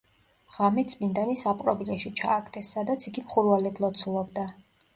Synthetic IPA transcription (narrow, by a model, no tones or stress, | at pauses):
ʁ̥amɛt̪sʼmind̪anisapʼɾɔblɛʃit͡ʃʰa̰ːkʰt̪ʰʼɛsːad̪at̪sʰiɡimχuɾvalɛd̪lˠɔt̪sʰulˠɔbd̪a